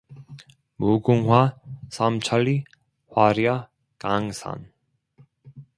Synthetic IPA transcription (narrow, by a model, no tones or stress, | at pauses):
muɡuŋɦwasamt͡ɕʰaɭi | hwaɾja | kaŋsʰa̰n